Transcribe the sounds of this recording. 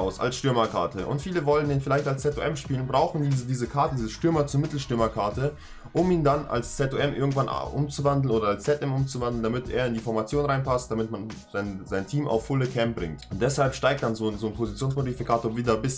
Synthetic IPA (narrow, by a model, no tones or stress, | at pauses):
ʊsʔa̰lsʃtʏɐmɐkʰa̰ɐtʰəʔʊ̰ntfiːləvɔln̩iːnfɪlaɪçtalst͡sɛto̰ʔɛmʃpiːlənbʁaʊxn̩diːzədiːzəkʰaɐtədiːzəʃtʏɐmɐt͡suɐmɪtl̩ʃtʏɐmɐkʰaɐtʰə | ʔʊmiːndana̰lst͡sɛtoɛmʔɪɐɡŋ̩tv̥an̰ʔʊ̰mt͡suvandl̩n̩ʔoːdɐalst͡sɛtʔɛmʔʊmt͡suvandl̩n̩damɪtḛːɐɪndiːfɔɐmat͡sjoːnʁaɪnpʰast̚d̥amɪtmanz̥aɪnzaɪntʰiːma̰ʊfːʊləkʰɛmp̚b̥ʁɪ̰ŋtʊnt̚d̥ɛshalpʃtaɪk̚t̚d̥anzoːnzoːnpʰozit͡sjoːnskmolifikʰaːtoːɐviːdɐbɪs